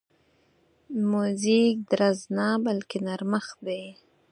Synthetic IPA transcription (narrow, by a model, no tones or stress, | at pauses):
muzik̚d̪ɾaznabalkenaɾməxd̪e